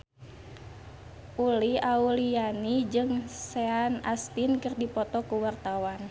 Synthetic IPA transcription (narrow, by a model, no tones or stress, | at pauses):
ʔuliaulianid͡ʒɨŋsɛana̰st̪inkɨrdipɔt̪ɔkuwart̪awan